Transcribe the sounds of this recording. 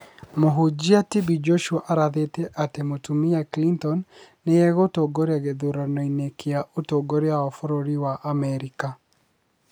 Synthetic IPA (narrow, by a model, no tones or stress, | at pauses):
moɦod͡ʒiatibid͡ʒoʃuaʔaɾaðeteʔatemotumijaklintɔnː | eɛɣotoɡoɾeaɣeðoɾanɔinekʰeaʔotoɡoɾeaɔfɔɾoɾiwaʔamɛɾika